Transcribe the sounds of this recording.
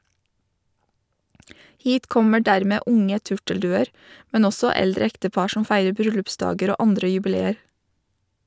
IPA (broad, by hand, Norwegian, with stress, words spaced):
ˈhiːt ˈkɔmə ˈɖæɾmeː ˈʔʊŋə ˈtʉʈəlˌdʉːəɾ ˈmɛn ˈɔsɔ ˈɛldɾə ˈɛktəˌpɑɾ ˈʃɔm ˈfæɪɾə ˈbɾʏlʉpˌsdɑːɡəɾ ˈoː ˈɑndɾə jʉbɪˈleːəɾ